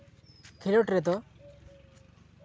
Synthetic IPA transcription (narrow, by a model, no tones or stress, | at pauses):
kʰiɾɔʈɾɛd̪ɔ